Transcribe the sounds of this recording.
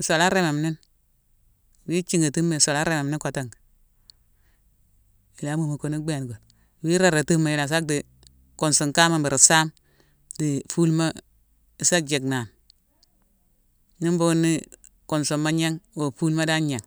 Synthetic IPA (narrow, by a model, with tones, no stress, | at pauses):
so˨la˦ɾe˦me˨mni˦n | wi˦t͡ʃi˦ŋa˨ti˦mːe˨so˨la˦ɾe˦˨me˨mni˦ko˨ta˦ŋ˨ | i˨la˨˦mu˨ma˨ko˨ni˦ɡ͡be˦a˨nɡo˨n˨ | wi˦ɾa˨ɾa˨ti˦ma˨i˨la˨s̬a˦k̚di˨ | ko˨nsu˨ŋka˦ma˨bi˨ɾi˨sa˦m | di˨fu˦lma˦ | i˨sa˦d͡ʒe˨kna˨n | i˦mbo˦nːi˦ | ko˨nsu˨mːa˦ɲe˦ŋwo˨fu˦lma˦da˦ɲe˨ŋ